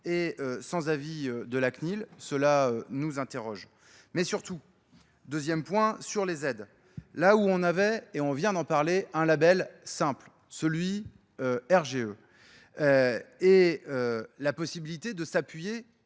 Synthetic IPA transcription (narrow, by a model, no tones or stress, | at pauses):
eøsɑ̃zaviød̪əlaknilsəlaønuzɛ̃t̪eʁɔʒ | mɛsyʁt̪u | d̪øzjɛmpwɛ̃syʁlezɛd̪ | lauɔ̃navɛeɔ̃vjɛ̃d̪ɑ̃paʁleɛ̃labɛlsɛ̃pl | səlɥi | øɛʁʒeø | øeølapɔsibilit̪ed̪əsapɥije